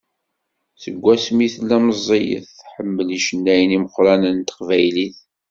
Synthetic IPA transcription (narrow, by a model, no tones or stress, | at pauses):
θəɡʷːæsmiθlːæməzˤːijə̰θħəmːəliʃənːæjniməqːɾænənt̪ə̥qvæjliθ